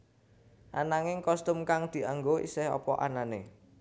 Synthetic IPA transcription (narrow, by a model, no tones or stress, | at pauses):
ʔanaŋɪŋkɔst̪ʊmkaŋd̪̥i̤aŋɡoʔḭsɪhɔ̰pɔ̰ʔanane